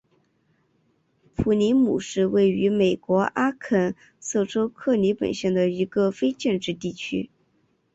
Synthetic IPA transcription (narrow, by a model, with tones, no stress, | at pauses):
pʰu˧˩ni˧˥mṵ˨˩ʂɻ̩˥˧we˥˩ɪy˧˥me˨˩ɪkwɔ˧˥ʔa˥kʰə˥˩n | sɤ˥˩ʈ͡ʂo˥ʊkʰɤ˥˩ni˧˥pə̰˨˩nɕjɛ˥˩nd̪ə˩i˧˥ɡə˧fe˥ɪt͡ɕjɛ˥˧nʈ͡ʂɻ̩˥˧t̪i˥˩t͡ɕʰy̰˥